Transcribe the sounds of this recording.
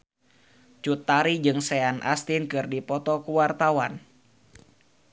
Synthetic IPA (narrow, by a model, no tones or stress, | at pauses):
t͡ʃut̪ːaɾid͡ʒɨŋsɛanʔa̰st̪inkɨrdipɔt̪ɔkuwart̪awan